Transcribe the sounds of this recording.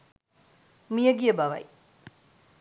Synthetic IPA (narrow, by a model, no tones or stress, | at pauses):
mijəɡijəbɐʋɐ̰j